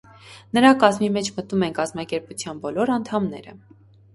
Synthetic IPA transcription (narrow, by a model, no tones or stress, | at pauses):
nəɾɑkɑzmimɛt͡ʃʰmət̪numɛnkɑzmɑkɛɾput͡sʰjɑnbɔlɔɾɑnt̪ʰɑmnɛ̰ɾə̰